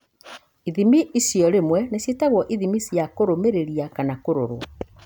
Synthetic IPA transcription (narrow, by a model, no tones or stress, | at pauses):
iðimiisjɔɾemwɛnesjetaɣwɔʔiðimisjakoɾomeɾeɾiakanakoɾo̰ɾwa